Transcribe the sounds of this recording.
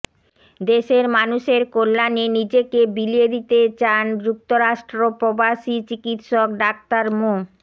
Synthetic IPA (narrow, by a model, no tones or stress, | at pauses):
d̪eʃeɾmanuʃeɾkolːanenid͡ʑekebilied̪it̪et͡ɕanɡɾuk̚t̪oɾaʃʈɾopɾobaʃit͡ɕikit̪ʃok̚ɖak̚t̪aɾmo